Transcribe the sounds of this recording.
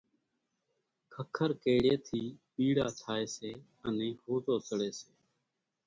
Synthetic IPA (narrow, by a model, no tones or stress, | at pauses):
kʰəkʰəɾkeːɽeːt̪ʰiːpiːɽaːt͡ʃʰaːeːseː | ənẽːhoːzoːsəɽeːseː